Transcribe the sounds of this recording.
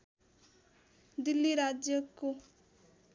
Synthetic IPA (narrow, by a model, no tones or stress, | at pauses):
d̪ɪlːiɾad͡ʒjəko